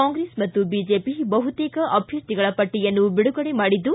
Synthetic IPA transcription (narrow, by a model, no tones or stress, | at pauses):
aːŋɡɾeːsmɐt̪ːubiːd͡ʒeːpibɐɦut̪eːkɐʔɐbʱjɐst̪iɡɐɭɐpɐʈːijɐnːubiɽuɡɐɽemaːɽid̪ːu